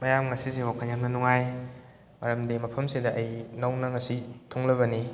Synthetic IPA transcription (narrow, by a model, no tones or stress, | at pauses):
mɐjamŋɐsisewakʰanjanɐnuŋaj | mɐɾɐmdimɐpʰɐmsidɐʔɐjnɐwnɐŋɐsitʰoŋlɐbɐni